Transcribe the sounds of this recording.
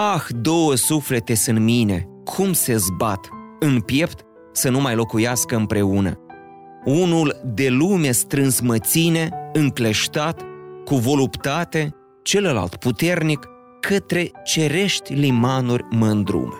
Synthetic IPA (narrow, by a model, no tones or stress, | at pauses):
axd̪o̞wəsufle̞t̪e̞sɨnt̪mine̞ | kʰumse̞zbat̪ɨnpje̞pt̪ | sənumajlo̞kujaskəɨmpɾe̞unə̰ | unuld̪e̞lume̞st̪ɾɨnsmət̪sine̞ɨŋkle̞ʃt̪at̪kuvo̞lupt̪at̪e̞ | t͡ʃe̞ləla̰lt̪put̪e̞rnikʰː | ət̪ɾe̞t͡ʃe̞ɾe̞ʃt̪ʲlimanurʲməɨnd̪ɾṵm